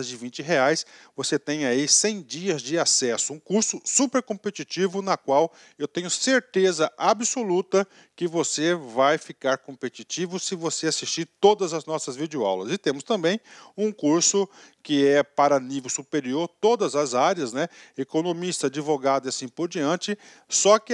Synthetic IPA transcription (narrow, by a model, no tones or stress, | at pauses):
zd͡ʒɪvĩnt͡ʃɪɦeajsvoset̪ẽj̃aisẽj̃d͡ʒiɐzd͡ʒɪasɛsʊũkuɾsʊsupeɾkõpet͡ʃit͡ʃivʊnɐkwaw | ewt̪ẽɲʊseɾt̪ezɐʔabɪsolut̪ɐ | kɪvosevajfikaɾkõmpet͡ʃit͡ʃivʊsɪvoseasist͡ʃiɾt̪od̪ɐzɐznɔsɐzvid͡ʒjoa̰wlɐzɪt̪ẽmʊst̪ɐ̃mbẽj̃ũkuɾsʊkɪɛpaɾɐnivewsupeɾioɾt̪od̪ɐzɐzaɾjɐznɛekonõmist̪ɐad͡ʒivoɡad̪ɪasĩpoɾd͡ʒiɐ̃t͡ʃɪ | sɔkɪ